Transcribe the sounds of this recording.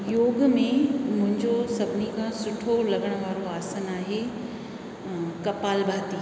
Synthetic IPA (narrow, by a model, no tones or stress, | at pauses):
joːɡmẽmʊ̃ɦɪ̃ɲd͡ʑosɐbʱɪnikʰãsʊʈʰolɐɡəɽ̃əʋaːɾoaːsənaːɦe | kɐpaːlbʱaːt̪iː